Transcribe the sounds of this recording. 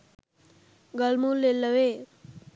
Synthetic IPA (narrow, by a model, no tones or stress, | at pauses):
ɡəlmulːelːəʋe